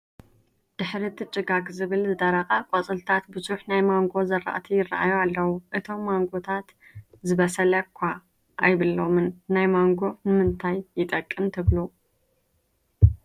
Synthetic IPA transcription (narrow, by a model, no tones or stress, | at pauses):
d̪̥ɨħɾit̪ʰɨt͡ʃʼɨɡakʼzɨβɨlzɨd̪ɐɾɐxʼakʷʼot͡sʼɨlt̪ʰat̪bɨzuħnajmaŋɡo̞zɐrːa̰ʔt̪ʰijɪraʔa̰jualːɐwuʔɨt̪ʰo̞mːaŋɡo̞t̪ʰat̪ | zɨβɐsɐlɐkʷʰːa | ʔːjβɨlo̞mɨnːajmaŋɡo̞nɨmɨnt̪ʰajːɪt̪ʼɐkʼːɨmt̪ʰɨβlu